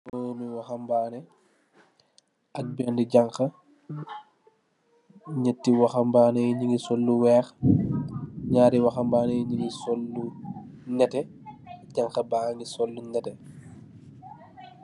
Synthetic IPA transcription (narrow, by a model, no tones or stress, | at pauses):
noːmiwaxɐmbaːnɛ | ʔɐk̚bɛndiɟaŋxɐ | ɲətːiwaxɐmbaːnɛjiɲiŋɡisɔlːuwɛːx | ɲaːɾiwaxɐmbaːnɛjɲiŋɡisɔlːunɛtɛ | ɟaŋkɐbaŋɡisɔlːunɛtɛ